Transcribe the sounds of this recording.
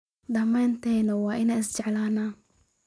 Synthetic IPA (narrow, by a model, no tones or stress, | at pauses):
d̪ɐmɛːnt̪ʰɛjnɐwɑːʔɪnɛːɪst͡ʃɛʕlaːnaːn